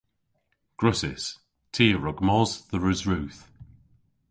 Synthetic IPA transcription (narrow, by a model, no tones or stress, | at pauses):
ɡ̥ɹʊsɪ̰s | tʰiːəɹʊɡmɔzðəɹəzɹʉːθ